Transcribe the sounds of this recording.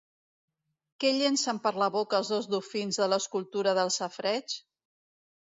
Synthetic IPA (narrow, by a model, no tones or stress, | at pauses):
kɛʎensəmpəɾləβokəlˠzðolzðufinzðələskulˠt̪uɾəðəlˠsəfɾɛt͡ʃ